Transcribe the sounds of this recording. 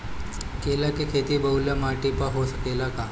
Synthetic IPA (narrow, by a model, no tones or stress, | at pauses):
kelakikʰet̪iːbəuljamaʈipaɦosəkelaka